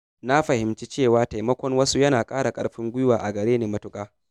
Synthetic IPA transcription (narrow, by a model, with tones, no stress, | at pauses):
na˦ɸɐ˨hɪ˨mt͡ʃi˦t͡ʃeː˦˨waː˨˦ta˨jmɐ˦kʷɔ˦ŋwɐ˦su˦jɐ˦naː˨kʼaː˦ɽa˨kʼɐ˦ɽɸɪ˦ŋɡʷʊ˦jʊ˦waː˨ʔa˨ɡɐ˨ɽeː˦neː˨mɐ˦tʊ˦kʼaː˦